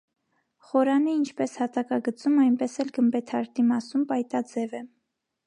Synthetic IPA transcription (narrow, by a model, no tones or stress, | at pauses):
χɔɾɑniːnt͡ʃʰpɛshɑt̪ɑkɑɡət͡sumɑjnpɛsɛlɡəmbɛt̪ʰɑɾt̪imɑsumpɑjt̪ɑd͡zɛvɛ